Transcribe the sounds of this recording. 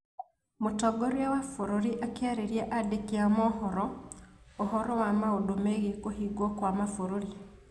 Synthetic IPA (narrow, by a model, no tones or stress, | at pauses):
motɔɡoɾiawafoɾoɾiʔakaɾeɾjaʔadekiamɔhɔɾɔ | ohɔɾɔwamaodomeɣekohiɡwokwamafoɾoɾi